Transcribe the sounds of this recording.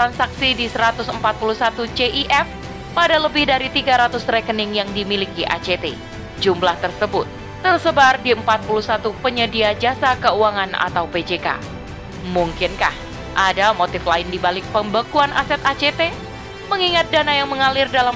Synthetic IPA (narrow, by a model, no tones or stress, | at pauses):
t̪ɾansaksidisəɾat̪ʊsəmpat̪̚puluhsat̪ut͡ʃeʔiʔɛf | padaləbɪhdaɾit̪iɡaɾat̪ʊsrɛkənɪŋjaŋdimilikiʔa̰t͡ʃet̪e | d͡ʒumlaht̪ərsəbʊt̪̚ːərsəbardiəmpat̪̚puluhsat̪upəɲədiad͡ʒasakəuaŋana̰t̪awped͡ʒeka̰ | muŋkɪnka̰h | ʔadamot̪ɪflaɪndibalɪk̚pəmbəkuanʔa̰sɛt̪at͡ʃet̪e | məŋiŋat̪̚danajaŋməŋalɪrdala